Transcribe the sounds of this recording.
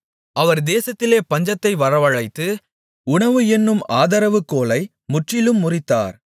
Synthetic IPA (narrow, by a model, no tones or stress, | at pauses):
ʔɐʋɐɾd̪eːsɐt̪ːɪleːpɐɲd͡ʒɐt̪ːɐɪʋɐɾɐʋɐɻɐɪt̪ːɯ | ʊɳɐʋɯɛnːɯmaːðɐɾɐʋɯkːoːlɐɪ | mʊʈrɪlɯmːʊrɪt̪ːa̰ːɾ